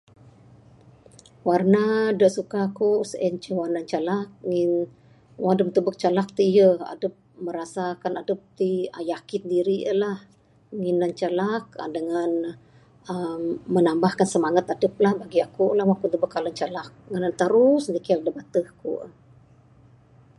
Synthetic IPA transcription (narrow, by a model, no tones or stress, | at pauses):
warnadəʔsukakuʔsəʔɛnt͡ʃəwanaɲt͡ʃalak̚ŋin | wadəp̚t̪əbək̚t͡ʃalak̚t̪ijəa̰dəp̚məɾasakanadəp̚t̪iəjakɪn̚diɾiə̰lah | ŋinːaɲt͡ʃalak̚ə̰dəŋan | əmːənambahkansəmaŋat̪adəp̚lahbaɡiakuʔlahwakut̪əbəkːalənt͡ʃalak̚ŋənant̪əɾusndikildəbat̪əhkṵʔ